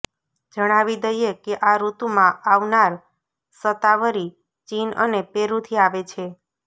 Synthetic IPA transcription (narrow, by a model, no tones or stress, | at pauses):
d͡ʒəɽ̃aʋid̪əjekeʔaɾut̪umãaʋnaɾ | sət̪aʋəɾi | t͡ʃinə̰nepeɾut̪ʰiaʋet͡ʃʰe